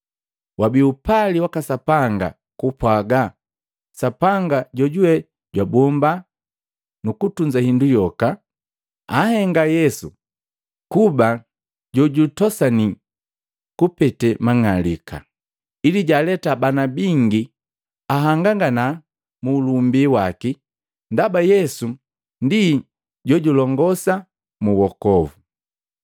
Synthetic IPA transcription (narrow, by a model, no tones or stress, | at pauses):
wabiupaliwakasapaŋɡa̰ | kupwaɡa | sapaŋɡaɟɔɟuwɛ | ɟwabɔmba | nukutuɲd͡ʒahindujɔka | ahɛŋɡajɛsu | kuba | ɟɔɟutɔsani | kupɛtɛmaŋalika̰ | iliɟalɛtabanabiŋɡi | aɦaŋɡaŋɡana | muːlumbiwaki | ndabajɛsu | ndi | ɟɔɟulɔŋɡɔsa | muwɔkɔvu